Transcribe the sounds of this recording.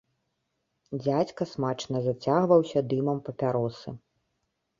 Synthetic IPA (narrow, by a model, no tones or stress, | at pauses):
d͡zʲat͡sʲkɐsmat͡ʂnɐzat͡sʲaɣvɐwsʲɐd̪ɨmɐmpɐpʲaɾɔsɨ̰